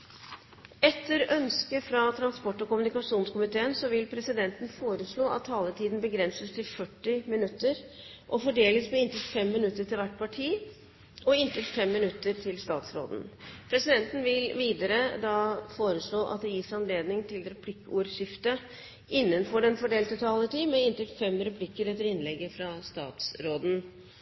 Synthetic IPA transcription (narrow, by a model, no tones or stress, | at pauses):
ɛt̪ʰːəɾœnskəfɾɑt̪ʰɾɑnspɔʈːɔkʊmʉnɪkɑʂuːnskʊmɪt̪ʰeːənsɔʋɪlpʰɾɛsɪd̪ɛnt̪n̩foːɾəʂɭoːɑ̰t̪ʰːɑːlət̪ʰiːd̪n̩bəɡɾɛnsəst̪ʰɪlfœʈːɪmɪnʉt̪ːəɾʔɔfɔɖeːləsmɛɪnt̪ɪlt̪fɛmːɪnʉt̪ːəʈɪlʋæʈːpʰɑʈʰiː | ɔɪnt̪ʰɪlt̪fɛmːɪnʉt̪ːəɾtʰɪlst̪ɑːt̪sɾo̰ːd̪n̩pʰɾɛsɪd̪ɛnt̪n̩ʋɪlʋiːd̪əɾəd̪ɑːfoːɾəʂɭoːʔɑ̰t̪̚d̪ɛjɪsɑnleːd̪nɪŋt̪ʰɪlɾɛpʰlɪkːəuːɾɕɪft̪ə | ʔɪnːənfɔɖɛnfɔɖeːlt̪ət̪ʰɑːlət̪ʰiːmɛɪnt̪ɪlfɛmɾɛpʰlɪkːəɾɛt̪ːəɾɪnlɛɡːəfɾɑst̪ɑ̰ːt̪sɾoːd̪n̩